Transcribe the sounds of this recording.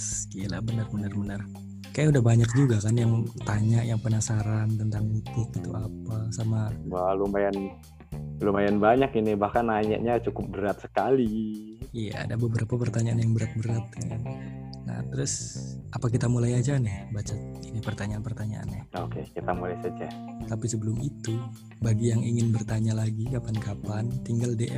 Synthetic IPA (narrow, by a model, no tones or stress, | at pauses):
siala̰bənərbənərbənər | kajaudahbaɲak̚d͡ʒuɡakanjaŋt̪aɲajaŋpənasaɾant̪ənt̪aŋit̪ɪk̪it̪uʔapasamawalumajan | lumajanbaɲakinibahkanaɲa̰ʔɲat͡ʃukʊp̚bəɾat̪̚sə̥kaliija̰a̰dabəbəɾapapərt̪aɲaanjaŋbəɾat̪̚bəɾat̪̚n | na̰t̪əɾʊsapak̬it̪amulajad͡ʒanɪhbat͡ʃainipərt̪aɲaːnpərt̪aɲaʔa̰nahokekit̪amulajsad͡ʒa | t̪apisəbəlʊmit̪u | baɡijaŋiŋɪnbərt̪aɲalaɡikapankapant̪iŋɡaldeʔɛ